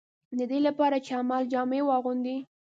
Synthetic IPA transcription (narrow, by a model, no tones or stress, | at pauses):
d̪əd̪elapɑɾat͡ʃeamɑld͡ʒɑmewɑɣund̪i